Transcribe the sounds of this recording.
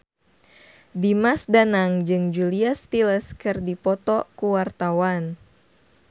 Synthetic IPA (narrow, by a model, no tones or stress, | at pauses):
dimasdanaŋd͡ʒɨŋd͡ʒuliast̪iləskɨrdipɔt̪ɔkuwart̪awan